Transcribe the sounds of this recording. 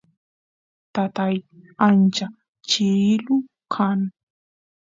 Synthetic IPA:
t̪at̪ajant͡ʃa | t͡ʃɪlʊ | kʰaŋ

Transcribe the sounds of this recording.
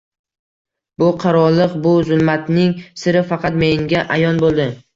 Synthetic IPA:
bʊqʰɑɾɒlˠːɨqbʊzʊlˠmat̪nɪŋsɪɾɪfɑqɑt̪me̞ŋɡʲaʔajɒnbolˠd̪ɪ

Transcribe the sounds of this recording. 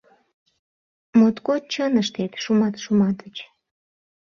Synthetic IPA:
mot̪kot̪̚t͡ɕənəʃt̪et̪ʃumɑt̪ʃumɑt̪ət͡ɕ

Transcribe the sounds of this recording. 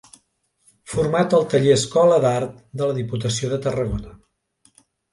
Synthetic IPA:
fuɾmat̪əlˠt̪əʎeəskɔləðaɾt̪̚ | d̪ələðiput̪əsioðət̪ərəɣonə

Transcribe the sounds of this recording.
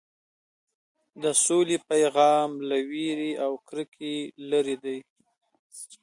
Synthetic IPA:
d̪əsolepajɣɑmlawiɾiawkɾəkʰelaɾid̪aj

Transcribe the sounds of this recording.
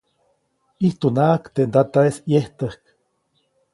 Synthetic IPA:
iht̪unaʔkt̪end̪at̪aesjeht̪əhk

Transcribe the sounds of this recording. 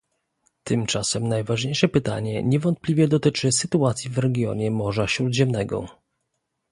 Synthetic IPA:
t̪ɘmt͡ʂasɛmnajvaʐɲejʂɛpɘt̪a̰ɲɛ̰ɲɛvɔnt̪̚plʲivʲjɛd̪ɔt̪ɘt͡ʂɘsɘt̪uat̪sʲjivɾɛɡʲjɔ̰ɲɛmɔʐaɕɾud̪ʑɛmnɛɡɔ̰

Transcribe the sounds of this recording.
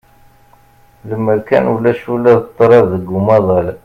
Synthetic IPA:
ðəmːəɾkæ̰nulːæʃulːæðt̪ˤːɾˤɑvðəɡumɑðˤɑl

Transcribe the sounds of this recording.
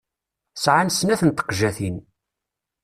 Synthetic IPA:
sʕansnæθənt̪ə̥qʒæθin

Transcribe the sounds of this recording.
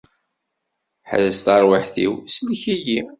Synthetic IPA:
ħə̰ðəst̪ɑɾˤwəħθḭwslçiji

